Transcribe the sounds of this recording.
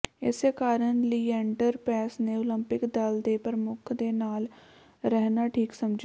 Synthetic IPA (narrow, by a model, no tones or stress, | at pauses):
ɪseːkaːɾənliːɛ̃ːɳʈəɾpɾɛːsneːoləmpɪkd̪əld̪eːpəɾəmʊkʰd̪eːnaːl | ɾɛɦnaːʈʰiːksəmd͡ʒ